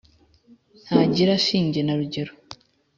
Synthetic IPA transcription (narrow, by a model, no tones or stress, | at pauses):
nhaɟiɾaʃiːɲɟe̞naɾuɟe̞ɾo